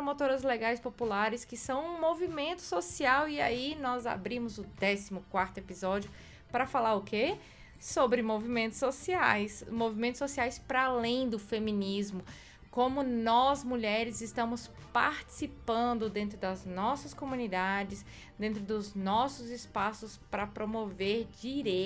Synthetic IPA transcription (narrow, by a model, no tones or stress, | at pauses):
pɾomot̪oɾɐzleɡajspopulaɾɪskɪsɐ̃w̃ũmovimẽnt̪ʊ̥sosiawia̰inɔza̰bɾĩmʊzʊd̪ɛsimʊkwaɾt̪ʊepizɔd͡ʒjʊ | pɾɐfalaɾʊke | sobɾɪmovimẽnt̪ʊ̥sosiajsmovimẽnt̪ʊsosiajspɾaalẽj̃d̪ʊfemĩnizmʊ | kõmʊnɔzmuʎɛɾɪzɪst̪ɐ̃mʊs | pa̰ɾt͡ʃi̥sipɐ̃nd̪ʊd̪ẽnt̪ɾʊd̪ɐznɔsɐskomũnid̪ad͡ʒɪs | d̪ẽnt̪̬ɾʊd̪ʊznɔsʊzɪspasʊspɾɐpɾomoveɾd͡ʒiɾe